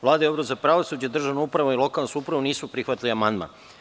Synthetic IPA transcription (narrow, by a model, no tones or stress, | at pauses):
ʋlˠaːd̪aobɾozapɾaʋosuːd͡ʑad̪r̩ʒaʋnoupɾaʋoilˠo̞kalˠnskuupɾaʋuniːsupɾixʋat̪iliamand̪ma̰n